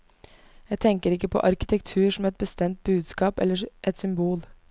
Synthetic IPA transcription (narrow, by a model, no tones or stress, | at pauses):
jæɪt̪ʰɛŋkəɾɪkːəpʰɔ̰ʔɑɾkɪ̥t̪ʰɛkt̪ʰʉːʂɔmɛt̪̚bəst̪ɛmt̪̚bʉːd̪skɑːpɛ̰lːəʔɛt̪sʏmbuːl